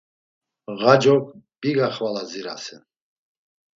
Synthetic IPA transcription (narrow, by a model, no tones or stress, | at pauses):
ʁad͡ʒɔk̚ʼb̥iɡaχvalaziɾa̰sɛ̰n